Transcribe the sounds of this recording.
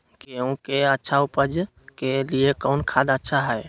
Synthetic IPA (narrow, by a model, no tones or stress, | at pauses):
keõkeətːʃʰaupəd͡ʒ | keliekɔʊnkʰaːd̪ətːʃʰaɦɛe